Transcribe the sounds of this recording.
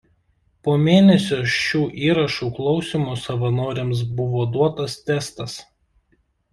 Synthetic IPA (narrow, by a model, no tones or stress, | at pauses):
poːmʲeːnʲɛsʲoːʃʲuːʔiːɾɐʃuːklˠɒʊsʲimoːsɐʋɐnoːɾʲeːms̬bʊʋoːd̪uɔt̪ɐst̪ʲɛst̪ɐs